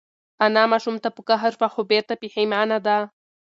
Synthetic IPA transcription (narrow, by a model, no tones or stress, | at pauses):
ʔanamaʃumt̪apukaɦəɾfaxobeɾt̪apiħemanad̪a